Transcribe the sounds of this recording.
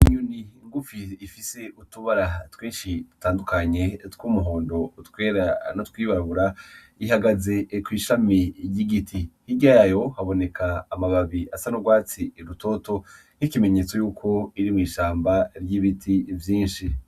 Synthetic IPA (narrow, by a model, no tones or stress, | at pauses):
iɲuniŋɡufiːfise̞utuβaɾatweːnʃitu̥taːndukaɲe̞tkuːmuɦo̞ːndo̞twe̞ːɾanotkwiːβaɾaβuɾa | iɦaɡaze̞kwiːʃamijiɡitʰihiɟajajo̞haβo̞ne̞kʰaːmaβaβiasanoɡwaːt͡siɾuto̞to̞ | nikime̞ɲe̞t͡so̞juːkʰo̞iɾimŋiːʃaːmbaɾjiβitʰivjiːnʃi